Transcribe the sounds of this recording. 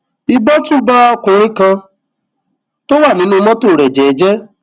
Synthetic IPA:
i˧bɔ˦tũ˦ba˦ɔ˧kũ˨ɾ̃ĩ˦kã˧ | to˦wa˦˨nĩ˨˦nũ˦˧mɔ̃˦to˦˨ɾɛ˨d͡ʒɛ˨˦d͡ʒɛ˦

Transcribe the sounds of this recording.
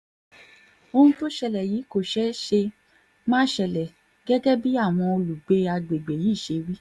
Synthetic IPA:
o˧hũ˧to˦ʃɛ˧lɛ˨jiː˨˦ko˦˨ʃɛ˨˦ʃe˧ | mãː˦ʃɛ˧˨lɛ˨ | ɡ̥ɛ˦ɡɛ˦bi˦a˦˨w̃ɔ̃˧o˧lu˨ɡ͡be˧a˧ɡ͡be˨ɡ͡be˨ji˨˦˨ʃe˧wi˦

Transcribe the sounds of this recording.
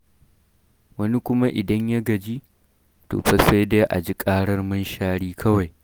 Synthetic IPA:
wɐ˦ni˦kʷʊ˦ma˦ʔɪ˨dɐ˦ɲja˦ɡɐ˨d͡ʒi˦ | to̰ː˨ɸɐ˦se˦jde˦ʔa̰˨d͡ʒi˦kʼaː˦ɽɐ˦rmɐ˦nʃaː˦ɽiː˦kʰɐ˦wa˨j

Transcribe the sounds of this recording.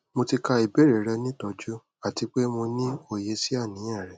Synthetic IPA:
mo˧ti˧ka˧i˨be˦ɾe˨ɾɛ˧nĩ˦tɔ˧d͡ʒu˦ | a˦˨ti˧k͡pe˦mo˧nĩ˦o˦˨je˧si˦a˦˨nĩ˨˦jɛ̃˦˨ɾɛ˨

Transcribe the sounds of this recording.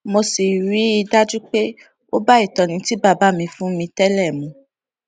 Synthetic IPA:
mo˧si˨ɾi˨˦i˧da˦d͡ʒu˦k͡pe˦ | o˦ba˦i˦˨tɔ̃˨nĩ˧ti˨˦ba˦˨ba˨˦mĩ˧fũ˦mĩ˧tɛ˦lɛ˦˨mũ˨˧˦

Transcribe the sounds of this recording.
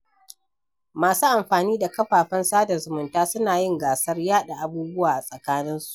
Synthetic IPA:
maː˨suː˦ʔa˨mɸaː˨niː˦da˨kɐ˦ɸaː˨ɸɐ˦nsaː˦dɐ˨zʊ˨mʊ˨ntaː˦sʊ˦naː˨jɪ˦ŋɡaː˨sɐ˦rjaː˦ɗa˨ʔa˨buː˦bʊ˦waː˨ʔa˨sʼɐ˨kaː˦nɪ˦nsu̥˨ʔ

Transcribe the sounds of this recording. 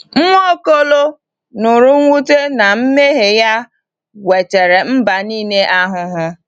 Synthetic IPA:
ŋʷ˦o˦ko˦lo˦ | nʊ˨ɾu˦ŋʷ˦u˦te˦na˨m̩˦me˦ɦe˨ja˦ | we˨t͡ʃe˨ɾe˨m̩˦ba˨niː˦ne˦ʔa˦ɦʊ˦ɦʊ˦

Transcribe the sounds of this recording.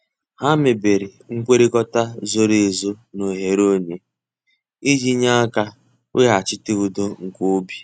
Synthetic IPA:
ha˦me˨be˨ɾi˨ŋ̩˦kʷe˦ɾe˦kɔ˦ta˦zo˦ɾe˨zo˦no˨ɦe˨ɾo˦ɲe˨ | i˦d͡ʒi˦ɲa˦ka˦ | we˦ɦa˨t͡ʃɪ˦tɪ˦u˨do˦ŋ̩˨ko˦bi˨

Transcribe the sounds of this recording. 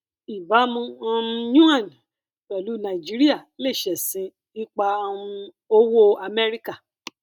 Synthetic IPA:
i˨ba˨˦mũ˧ã˧jũ˦ã˦˨n˨ | k͡pɛ˨lu˨˦nã˧˨i˨d͡ʒi˦ɾi˦a˦˨le˦˨ʃɛ˨sĩ˨˧ | i˦k͡pa˧˦˧ | o˦wo˦a˧mɛ˦ɾi˦ka˦˨

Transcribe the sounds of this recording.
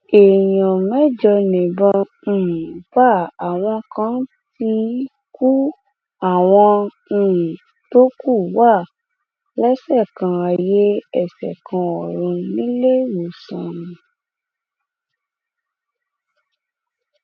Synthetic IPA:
e˨jɔ̃˨mɛ̃˦d͡ʒɔ˧nẽ˨bɔ̃˧˨ | ba˦˨a˨w̃ɔ̃˧kã˦ | ti˧ | ku˦ | a˦˨w̃ɔ̃˧˨ | to˦ku˦˨wa˦˨ | lɛ˦sɛ˦˨kã˨a˨je˦ɛ˦˨sɛ˨kʰã˧ɔ˨ɾ̃ũ˧nĩ˨˦le˦wo˨sã˨ñĩ˨

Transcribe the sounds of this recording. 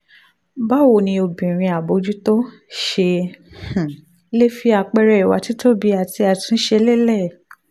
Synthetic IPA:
ba˦wo˦˨nĩ˧o˧bĩ˨ɾ̃ĩ˧a˨bo˧d͡ʒu˦to˦ | ʃẽ˧˨˦ | le˦fi˧a˧k͡pɛ˧ɾɛ˧i˨wa̰˨˧ti˦to˦bi˨˦a˨ti˧a˨tĩ˧˦ʃe˧˦le˦lɛ˦˨

